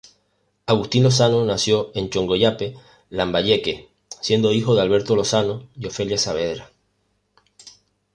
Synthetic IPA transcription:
aɣust̪inlo̞s̬anonasjo̞e̞nt͡ʃo̞ŋɡo̞ʎape̞ | lambaʎe̞ke | sje̞nd̪o̞ixo̞ðealβ̞e̞ɾt̪o̞lo̞sanojo̞fe̞ljasaβ̞e̞ðɾa

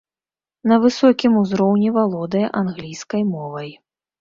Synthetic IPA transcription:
nɐvɨsɔkʲimuzɾɔwnʲivalˠɔd̪ɐjɐʔanɣlʲijskɐjmɔvɐj

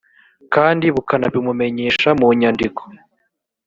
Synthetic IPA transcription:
kaːndiβukanaβimume̞ɲe̞ːʃamuɲandiko̥

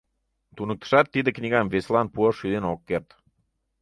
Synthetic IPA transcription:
t̪unə̆k̚t̪ə̥ʃɑt̪ːid̪ɘ̆knʲiɡɑmveslˠɑnpuoʃyd̪enokːeɾt̪

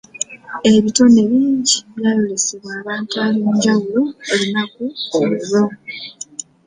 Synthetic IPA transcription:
e̞βito̞ne̞βiːɲɟiβjaːloleseβwaːβaːntualiɲɟawuloeβinakuoweɾo

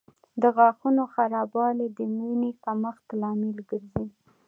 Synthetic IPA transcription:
d̪əɣɑxunoxaɾɑbɑled̪əminekaməxt̪lɑmɪlɡəɾzi

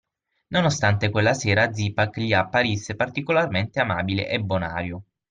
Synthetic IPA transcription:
nonost̪ant̪ekwelːaseːɾad̪zipakʎiapːaɾisːepart̪ikolarment̪eamaːbilḛʔebːona̰ːɾjo

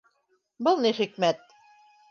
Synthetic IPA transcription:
bɤlˠniχikmæt̪̚

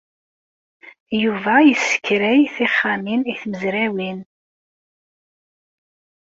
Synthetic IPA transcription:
juvæjəsːə̥kːɾæjθiχːaminiθməzɾæwin

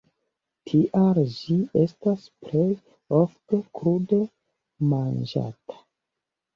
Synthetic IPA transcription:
tʰiʔald͡ʒie̞stasplej | oftekɾude | mand͡ʒa̰tʰḁ

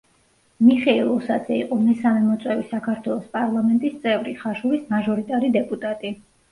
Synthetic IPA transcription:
miχɛilˠɔsad̪zɛiqʼɔmɛsamɛmɔt̪sʼwɛvisakʰaɾt̪ʰwɛlˠɔspʼaɾlˠamɛnt̪ʼist̪sʼɛvɾiχaʃuɾismaʒɔɾit̪ʼaɾid̪ɛpʼut̪ʼat̪ʼi

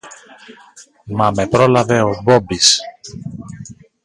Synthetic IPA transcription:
mɐme̞pɾo̞lɐve̞obobis

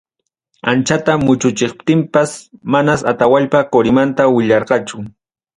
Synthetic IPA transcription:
ant͡ʃat̪amʊt͡ʃʊt͡ʃɪχp̚t̪ɪmpasmanasat̪awaʎpakoɾɪmant̪awɪʎɑɾɢɑt͡ʃʊ

